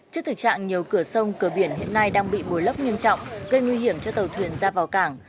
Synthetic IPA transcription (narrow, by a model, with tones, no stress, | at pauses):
t͡ɕɨ˦˥əkt̪ɨ˨˩k̚t͡ɕa̰ː˧˨ŋɲi˨˩əwkɨ˧˩əsə˧wŋ͡mkɨ˧˩əɓi˧˩ənhḭ˧˨əna˧jɗaː˧ŋɓḭ˧˨ɓo˨˦jlə˦˥p̚ɲi˧ənt͡ɕɔ̰˧˨wŋ͡mɣə˧jŋwi˧ɦi˧˩əmt͡ɕɔ˧t̪ə˨˩wt̪ʰwi˨˩ənzaː˧vaː˨˩wkaː˧˩ŋ